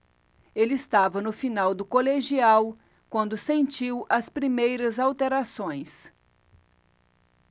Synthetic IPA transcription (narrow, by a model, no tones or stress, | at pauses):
elɪɪst̪avɐnʊfinawd̪ʊkoleʒiaw | kwɐ̃nd̪ʊsẽnt͡ʃiwʔɐspɾimejɾɐzawt̪eɾasõj̃s